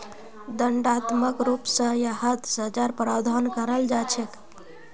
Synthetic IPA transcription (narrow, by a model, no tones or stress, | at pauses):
d̪əɳɖat̪məkɾupsə̃jaɦət̪sət͡ʃaɾpɾawd̪ʱankəɾəld͡ʒat͡ʃʰɛk